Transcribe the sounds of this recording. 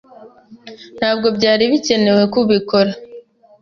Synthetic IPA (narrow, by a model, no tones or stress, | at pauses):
n̥haːb̚ɡo̞bɟaːɾiβice̞ne̞we̞kuβiko̞ɾa